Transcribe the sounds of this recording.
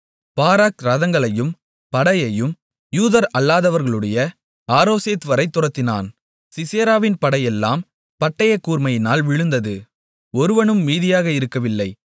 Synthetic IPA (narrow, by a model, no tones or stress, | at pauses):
paːɾaːkɾɐðɐŋɡɐɭɐjɯm | pɐɽɐjɐjɯm | juːðɐɾɐlːaːðɐʋɐɾɣɐɭɯɽɐjɐ | aːɾoːseːt̪ʋɐɾɐɪt̪ːʊrɐt̪ːɪna̰ːn | sɪseːɾaːʋɪnpɐɽɐjɛlːa̰ːm | pɐʈːɐjɐkːuːɾmɐjɪnaːlʋɪɻɯnd̪ɐðɯ | ɔɾɯʋɐɳɯmːiːðɪjaːɣɐɪɾɯkːɐʋɪlːɐɪ